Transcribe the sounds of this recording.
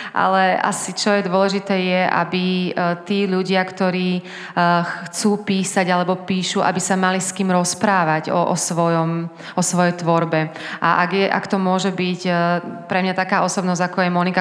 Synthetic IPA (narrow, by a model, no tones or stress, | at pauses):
ʔa̰lɛa̰sit͡ʃɔjɛd̪ʊɔlɛʒit̪ɛːjɛʔa̰bit̪iːʎuɟɪakt̪ɔɾiː | xt͡suːpiːsaɟalɛbɔpiːʃuʔa̰bisamaliskiːmɾɔspɾaːʋaɟɔ̰ʔɔ̰sʋɔjɔm | ʔɔsʋɔjɛjt̪ʋɔɾbɛʔaʔa̰ɡjɛʔa̰kt̪ɔmʊɔʒɛbicpɾɛmɲat̪akaːɔsɔbnɔzɟakɔjɛmɔnika